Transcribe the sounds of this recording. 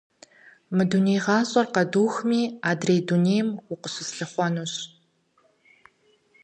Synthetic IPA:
mɨdunejʁɑːɕʼɐrqɐduːxmiːaːdrejduneːjmwʷʊqəɕɪsɬɨχʷɔnuːɕ

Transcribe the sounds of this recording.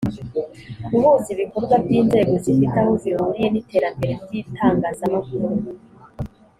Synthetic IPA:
uβuːnsiβiko̞ɾɡwavjiːnze̞ːɡo̞zifitahoviuɾije̞nitʰe̞ːɾambe̞ɾevjitʰaːŋɡazamakuɾu

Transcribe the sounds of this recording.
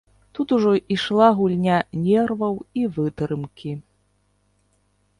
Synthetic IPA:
t̪ut̪uʐɔʔiʂlˠaɣulʲnʲanʲɛrvɐwivɨt̪ɾɨmkʲi

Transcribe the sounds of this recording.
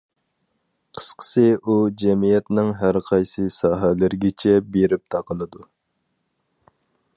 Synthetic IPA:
qʰə̥sqʰə̥sɨʔud͡ʒɛmijɛt̪nɪŋɦæɾqʰɑjsɨsɑːɦælɪɾɡʲɪt͡ʃʰɛbeɾɪp̚t̪ʰɑqəlˠɨd̪u

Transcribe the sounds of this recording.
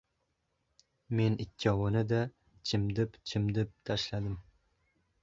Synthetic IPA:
menɪkʲʰːɑwɨnɪd̪a | t͡ʃʰɪmd̪ɪpt͡ʃʰɪmd̪ɪp̚t̪ʰaʃlad̪ɪm

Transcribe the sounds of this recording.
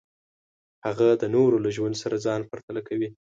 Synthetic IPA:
haɣad̪ənoɾolaʒwand̪saɾad͡zɑnpaɾt̪alakawi

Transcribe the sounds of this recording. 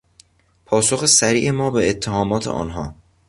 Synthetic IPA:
pʰɒːsoxesæɾiːʔe̞mɒːbeːt̪ʰːehɒːmɒːt̪ʰḛʔɒ̰ːnɦɒː

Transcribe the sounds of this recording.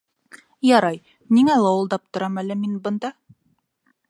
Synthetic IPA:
jɑɾɑj | niŋælˠɑwɤ̆lˠd̪ɑp̚t̪ŏɾɑmælɘminbɤ̆nd̪ɑ

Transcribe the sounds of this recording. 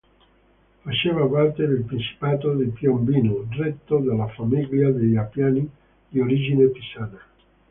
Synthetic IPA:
fat͡ʃeːvapart̪ed̪elpɾint͡ʃi̥paːt̪od̪ipjombiːnuɖret̪ːod̪elːafamiʎːad̪eʎapjaːni | d̪ioɾid͡ʒinepisaːna

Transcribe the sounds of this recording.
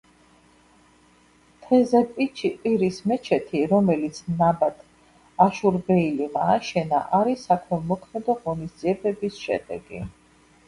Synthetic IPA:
t̪ʰɛzɛpʼit͡ʃʰiqʼiɾismɛt͡ʃʰɛt̪ʰiɾɔmɛlit̪sʰnabat̪ʰ | aʃuɾbɛilimaːʃɛna̰ʔaɾisakʰmɛmɔkʰmɛd̪ɔʁɔnisd̪z̥ʼiɛbɛbisʃɛ̰d̪ɛ̰ɡḭ

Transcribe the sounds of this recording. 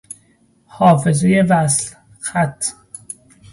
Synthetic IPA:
hɒːfezejevæsl | xæt̪ʰː

